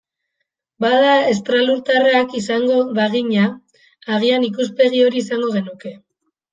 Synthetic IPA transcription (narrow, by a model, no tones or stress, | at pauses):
baðae̞st̪ɾaluɾt̪araːkisaŋɡo̞βaɣ̞iɲaː | ɣ̞ianikuspe̞ɣ̞io̞ɾiːsaŋɡo̞ɣ̞e̞nuke̞